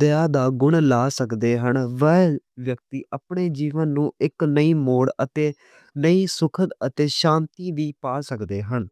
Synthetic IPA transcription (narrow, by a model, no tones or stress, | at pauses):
d̪əjaːd̪aːɡʊɳlaːsəkd̪eːɦəɳʋɛʋjək̚t̪iːʔaːpɳeːd͡ʒiːʋənːũːɪknəiːmoːɽət̪eː | nəiːsʊkʰət̪ət̪eːʃãːnt̪iːʋiːpaːsəkd̪eːɦəɳ